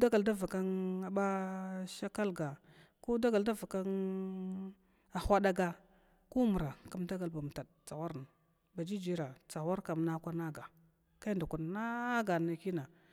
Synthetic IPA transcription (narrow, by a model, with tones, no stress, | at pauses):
da˦ɡa˨lda˦va˨ka˦na˨ɓa˦ʃa˦ka˦lɡa˨ | ku˦da˦ɡa˨lda˦va˨ka˦n | a˨xʷa˦da˦ɡa˨ | ku˦mu˨ɾa˨ka˦mda˦ɡa˨lba˨m˨ta˨d̚t͡sa˨wa˦ɾn˨ | ba˨d͡ʒi˦d͡ʒi˦ɾa˨t͡sa˨wa˦ɾka˨mna˦kʷa˦na˦ɡa˨ | ka˦nda˨ku˨n˨na˦ɡa˨na˨ki˦na˨